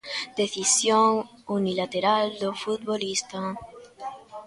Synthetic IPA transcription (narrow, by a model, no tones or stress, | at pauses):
d̪̥e̞θisjoŋ | unilat̪eɾald̪ofut̪̚βolist̪a